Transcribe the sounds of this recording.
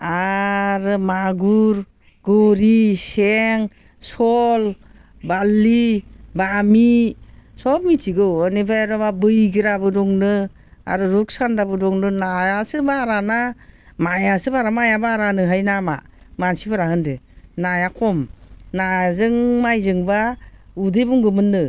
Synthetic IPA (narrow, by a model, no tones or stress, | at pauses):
aɾɯmaɡuɾ | ɡ̥ɔɾiseŋ | sɔl | balːibamisɔmitiɡɯɯnibajɾɔbabɯjɡɯɾabɯdɔŋnɯ | a̰ɾɯɾuksandabɯdɔŋnɯnajasɯbaɾanamajasɯbaɾamajabaɾanɯɦajnama̰mansibaɾaɦɯndɯnajakʰɔmnazɯŋmajzɯŋbaudɯbuŋɡɯmɯnːɯ